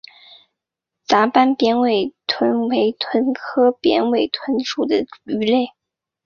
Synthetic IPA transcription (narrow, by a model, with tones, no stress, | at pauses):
t͡sa˧˥pa˥npjɛ˧˥nwe˨˩ɪt̪ʰwə˧˥nwe˧˥ɪt̪ʰwə˧˥nkʰɤ˥pjɛ̰˧˥nwe˨˩ɪt̪ʰwə˧˥nʂu˨˩d̪ə˦y˧˥le˥˩ɪ